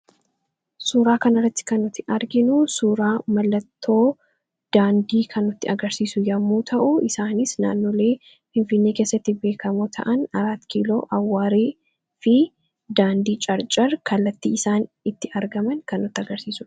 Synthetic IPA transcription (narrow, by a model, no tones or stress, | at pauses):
suːɾaːkɐnɐrːɐt̪ːɪ̥kɐnɔt̪ːɪʔɐɾɡɪnʊsuːɾaːmɐlːɐt̪ʰːo̞ː | d̪̥aːnd̪iːkʰɐnʊt̪ːɪɐɡɐɾsiːsʊjɐmːuːt̪ʰɐʔʊɪsaːnɪsna̰ːnːoːle̞ː | fɪnfɪnːeːkeːsːɐt̪ːɪbe̞ːkɐmoːt̪ʰɐ̰ʔɐnɐɾaːt̪kiːlo̰ːʔɐwːaːɾeː | fɪ | d̪aːnd̪iːt͡ʃʼɐɾt͡ʃʼɐrkʰɐlːɐt̪ːiːɪsaːn | ɪt̪ːɪʔɐɾɡɐmɐnkɐnːɔt̪ːɪɐɡɐɾsiːsʊ̥